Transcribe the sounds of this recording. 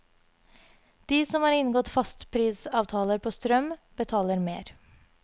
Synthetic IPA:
d̪̥iːsɔmhɑːɾɪnɡɔt̪fɑst̪pʰɾiːsɑːʋt̪ʰɑːləɾpʰoːst̪ɾœmb̥ət̪ʰɑːləɾmḛːɾ

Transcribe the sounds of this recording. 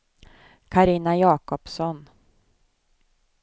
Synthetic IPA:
kʰaɾiːnajɑːkɔpsɔn

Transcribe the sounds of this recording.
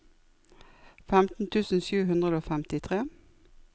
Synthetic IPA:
fɛmt̪n̩t̪ʰʉːsn̩sʉːhʉnd̪ʁəd̪oːfɛmt̪ɪt̪ʰʁeː

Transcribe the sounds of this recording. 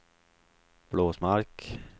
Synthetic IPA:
b̥loːsmaɾk

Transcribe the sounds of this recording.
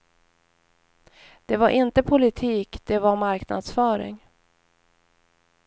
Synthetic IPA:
d̪̥ɛvaɾʔɪnt̪əpʰʊlɪt̪ʰiːkd̪̥ɛvaɾmaɾkna̰d̪sfœːɾɪ̰ŋ

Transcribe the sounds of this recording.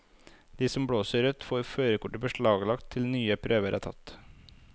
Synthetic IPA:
d̪̥iːsɔmbɽoːsəɾʉt̪foːɾføːɾəkʊʈəbəʃɭɑːɡlɑkt̪ʰːɪlnyːəpʰɾʔøːʋəɾʔæ̰ːt̪ʰɑ̰t̪

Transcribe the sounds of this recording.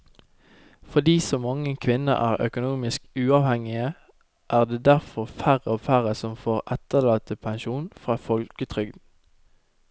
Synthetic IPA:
fɔd̪iːsɔmɑŋəkʰʋɪnə̰ʔæːʁœ̰kʊnuːmɪskʉːɑːʋhɛŋɪə | ʔæːʁd̪eːd̪æʁfɔʁfæʁəoːfæʁəsɔmfoːʁɛt̪əlɑːt̪əpʰɛnʃuːnfʁɑːfɔlkət̪ʰʁʏɡd̪n̩

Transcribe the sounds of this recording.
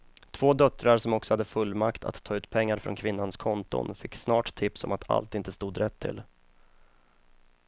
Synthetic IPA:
t̪ʰv̥oːd̪œt̪ɾaɾʂɔmɔksɔhad̪ːəfɵlːmakt̪ʰa̰t̪ʰːɑːʉ̟ːt̪pʰɛŋːaɾfɾɔ̰nkʰvɪnːanskʰɔnt̪ʊ̰nfɪkːsnɑːʈt̪ʰɪpsɔ̰mat̪ʰa̰lt̪ɪnt̪əst̪uːd̪ɾɛt̪ʰːɪ̰l

